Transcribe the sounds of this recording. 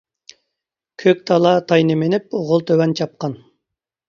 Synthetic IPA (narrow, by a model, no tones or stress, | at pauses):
kʲʰøk̚ʲt̪ʰɑlˠɑt̪ʰɑjnemenip̚oʁolˠt̪ʰøwɛnt͡ʃʰɑp̚qɑn